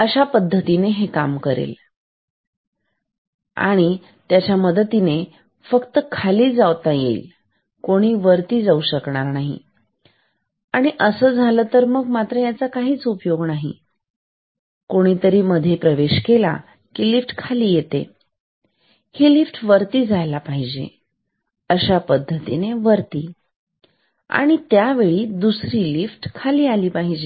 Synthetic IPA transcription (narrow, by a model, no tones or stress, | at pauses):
əɕapəd̪ʱːət̪ineɦekamkəɾḛl | a̰ɽ̃i | t̪jat͡ɕjaməd̪ət̪ine | fəkt̪əkʰaliːd͡zaʋt̪ajḛil | koɽ̃iːʋəɾt̪iːd͡zauɕəkɳaɾnaɦḭ | aɽ̃iʔəsəːd͡zʱalət̪əɾməɡmat̪ɾəjat͡sakaɦiːt͡supjoɡnaɦḭ | koɽ̃iːt̪əɾiːməd̪ʱːjepɾəʋeɕkela̰ | kilifʈkʰaliːjet̪ḛ | helifʈʋəɾt̪iːd͡zʱajlapaɦid͡ʑḛ | əɕapəd̪ʱːət̪ineʋəɾt̪iː | a̰ɽ̃it̪jaʋeɭiːd̪usɾiːlifʈkʰaliːaliːpaɦid͡ʑe